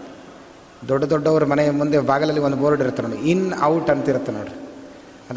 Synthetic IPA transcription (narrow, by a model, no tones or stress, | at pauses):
d̪ɔɖːɐd̪ɔɖːɐʋɐɾumɐnɛjɐmund̪ebaːɡɐlɐlːiond̪uboːɾɖiɾut̪ːenoːɽṵinɐwʈɐnt̪iɾut̪ːenoːɽu | ɐd̪